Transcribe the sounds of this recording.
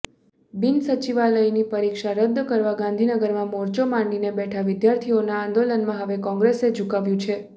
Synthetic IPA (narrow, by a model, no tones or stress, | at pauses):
binsət͡ʃiʋaləinipəɾikʃaɾəd̪ʱːkəɾʋaɡãnd̪ʱinəɡəɾmãmɔɾt͡ʃomãɳɖinebɛʈʰaʋɪd̪jaɾt̪ʰionãːnd̪olənmãɦəʋekɔ̃ŋɡɾesed͡ʒukaʋjũt͡ʃʰe